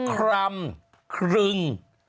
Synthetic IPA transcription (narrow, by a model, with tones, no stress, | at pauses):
kʰɾa˧m | kʰɾi˧ŋ